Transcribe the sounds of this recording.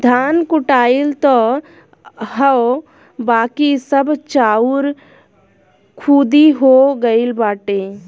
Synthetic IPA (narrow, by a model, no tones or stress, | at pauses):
d̪ʱaːnkʊʈaːilt̪ɔ | ɦəw | baːkisəbʱt͡ʃaːuɾ | kʰuːd̪iɦoɡəilbaːʈẽː